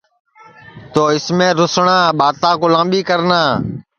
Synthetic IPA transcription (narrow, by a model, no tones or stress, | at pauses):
t̪oːɪsmẽːɾʊsɳãːɓaːt̪ãːkʊlãːmɓiːkəɾnaː